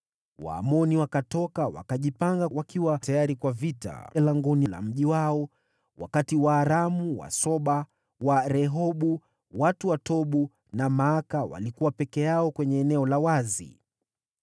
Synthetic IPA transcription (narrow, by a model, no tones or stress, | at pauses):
wa̰ːmɔniwakatɔkawa̰kaʄipaŋɡawakiwatajaɾikwavita̰laŋɡɔnila̰m̩ʄiwaɔ | wa̰katiwaːɾamuwa̰sɔɓa | waɾɛɦɔɓu | watuwatɔɓu | namaːakawa̰likuwapɛkɛjaɔkwɛɲɛːnɛɔlawazḭ